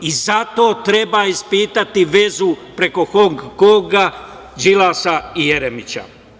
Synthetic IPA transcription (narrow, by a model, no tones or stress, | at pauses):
izat̪o̞ːt̪ɾe̞baːispiːt̪at̪iʋe̞zupɾe̞ko̞xoŋɡːoːɡa | d͡ʒilaːsaijeɾemit͡ɕa̰